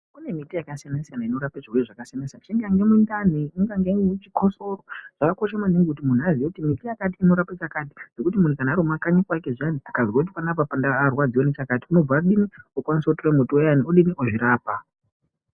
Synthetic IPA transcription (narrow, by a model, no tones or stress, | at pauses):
kune̞mitijakasianasijanaino̞ɾapeʐirweiʐakasijanasijant͡ʃiŋɡaŋɡe̞mundan̤iiŋɡaŋɡemut͡ʃikʰosoroʐ̥akako̞ʃemaniŋɡekutimun̤uazijekutimitijakat̬iːno̞ɾapat͡ʃakat̬i̥d͡ze̞kutimun̤ukanaɾumakaɲikwakeʐianiakazuot̬ipanapapandaːrwad͡zijonet͡ʃakati̥uno̞b͡vauɗiniokwanisoutoremotiojanioɗiniʔoʐiɾaːpa